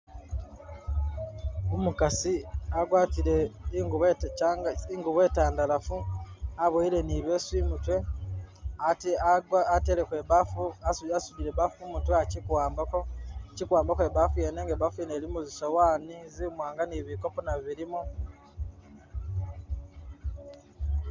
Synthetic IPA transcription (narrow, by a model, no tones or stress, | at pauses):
omukasiaɡwaːtiɾeiŋɡuβ | iŋɡuβwe̞ːtaːndalafuaβoiɾe̞niβeswimutwe̞ | atateɾekweβafuaasuɟiɾeβafumutweacikwaːmbakocikwaːmbakweβafujeneːŋɡeβafuenelimozisowaːnizimwaːŋɡaniβikoponaβiɾimo